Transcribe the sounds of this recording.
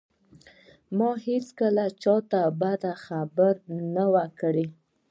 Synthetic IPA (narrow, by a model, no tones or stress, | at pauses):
mɑhet͡skəlat͡ʃɑt̪abad̪axabəɾnawakɽe